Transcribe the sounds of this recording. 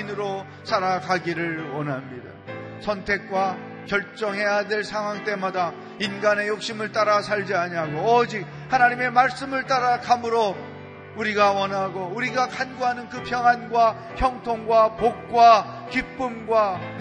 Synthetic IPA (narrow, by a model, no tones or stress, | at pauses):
nɯɾo | sʰaɾakaɡiɾɯɭwʌnɦamɲida̰sʰʌntʰe̞k̚k͈wa | kjʌɭt͡ɕ͈ʌŋɦe̞jadwe̞ɭsʰaŋɦwaŋt͈emada | inɡane̞jok̚ɕ͈imɯɭt͈aɾasʰaɭd͡ʑiaɲaɡoʌd͡ʑik̚ | hanaɲime̞maɭs͈ɯmɯɭt͈aɾakamɯɾo | uɾiɡawʌnaɡouɾiɡakʰanɡoɦanɯnkɯpʰjʌŋanɡwa | çjʌŋtʰoŋɡwapok̚k͈wakip͈ɯmɡwa